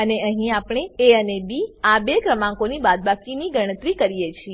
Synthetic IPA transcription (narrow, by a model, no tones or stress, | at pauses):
əneəɦĩapɽ̃eːənebiabekɾəmãŋkonibad̪̚bakiniɡəɽ̃ət̪ɾikəɾijet͡ʃʰi